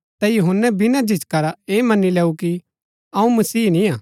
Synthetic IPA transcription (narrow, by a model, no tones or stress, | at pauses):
t̪ɐjʊɦʊnːɛbɪnad͡ʒɪt͡ʃkɐɾaeːmɐnːilɛːuki | ɐũmɐsiːnĩãː